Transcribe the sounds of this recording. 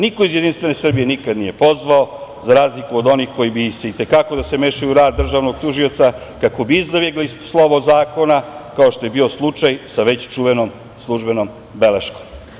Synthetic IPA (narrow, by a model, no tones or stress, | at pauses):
nikoizje̞d̪inst̪ʋe̞ne̞sr̩bije̞nikad̪nije̞po̞zʋao̞zaɾaːzlikuod̪o̞nixko̞jibise̞it̪e̞kako̞d̪aseme̞ʃajuɾaːd̪dːr̩ʒaːʋno̞ɡ̚t̪uʒio̞t̪sa | kako̞biizd̪abjeɡlispslˠo̞ʋozaːko̞nakao̞ʃt̪o̞je̞bio̞slˠut͡ʃajsaʋe̞t͡ɕt͡ʃuʋenom | slˠuʒbe̞nom | be̞leʃko̥m